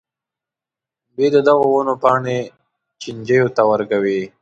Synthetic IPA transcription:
bed̪əd̪aɣowʊnopɑːɳe | t͡ʃind͡ʒəjot̪awəɾkawi

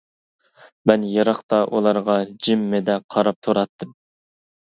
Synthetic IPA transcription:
mɛnjɑɾɑχt̪ɑʔulˠɑɾʁɑd͡ʒimːɪd̪ɛqʰɑɾɑp̚t̪ʰoɾɑt̪ʰːɨm

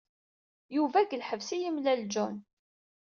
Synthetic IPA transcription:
juvæɡəlħəvsijimlæld͡ʒʊn

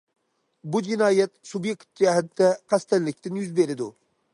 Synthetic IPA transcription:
bud͡ʒɪnɑːjɛt̪subjekt̪̚d͡ʒɛɦɛt̪d̪ɛqʰæst̪ɛllɪkʲt̪ɪnjyzbeɾɪd̪u

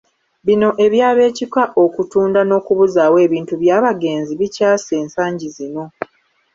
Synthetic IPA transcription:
βino̞ʔe̞βjaːβe̞ːcikaʔo̞kutuːndano̞ːkuβuzaːwe̞ːβiːntuβjaːβaɡe̞ːnziβicaːse̞ːnsaːɲɟizino̞

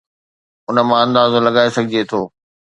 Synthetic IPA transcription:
ʊnə̆mãɐ̃nd̪aːzolɐɡaːesɐɡʱɪd͡ʑet̪ʰoː

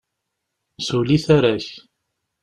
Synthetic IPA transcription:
suliθaɾæç

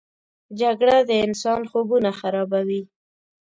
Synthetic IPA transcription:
d͡ʒaɡɽad̪əɪnsɑnxobunaxaɾɑbawi

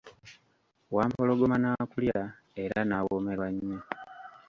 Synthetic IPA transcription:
waːmpo̞lo̞ɡomanaːkulja | e̞ɾanawome̞ɾwaɲːo

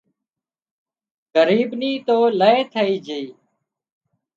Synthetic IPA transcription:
ɣəɾiːbniːt̪oːləeːt̪ʰəiːd͡ʒeiː

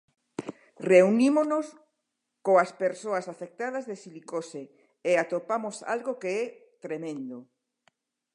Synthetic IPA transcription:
reunimonos | koaspeɾsoasafek̚t̪að̞ɐzðesilikose | eat̪opamosa̰lɣokeɛt̪ɾemẽnd̪o

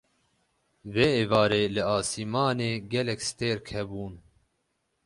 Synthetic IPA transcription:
veːeːvɑːɾeːlɨaːsiːmɑːneːɡɛlɛkst̪eːɾkʰɛbuːn

